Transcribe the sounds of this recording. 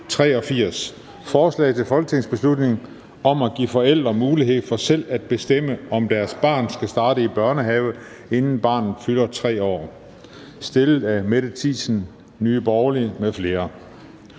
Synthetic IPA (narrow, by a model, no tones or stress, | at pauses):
t͡sʰʁɛ̰ːɒ̽fiɐ̰s | fɒːslɛ̰ɪt͡sʰe̝lfɒ̽lɡ̥ət͡sʰeŋsb̥e̝slud̥ne̝ŋ | ɒ̽mæɡ̥ḭːfɒ̽el̰d̥ʁɐmuːliɦe̝ð̞̰ˠfɒ̽sel̰æd̥̚b̥e̝sd̥em̰əɒ̽md̥æɐsb̥ɑ̰̈ːnsɡ̥æsd̥ɑ̈ːɾ̥əib̥ɶɐnəɦɛʊ | e̝nn̩b̥ɑ̈ːnð̩ˠfylɐt͡sʰʁɛ̰ːɒ̰ː | sd̥e̝lð̩ˠæmeɾ̥ət͡sʰḭsn̩ | nyːb̥ɒʊlimefle̝ːɐ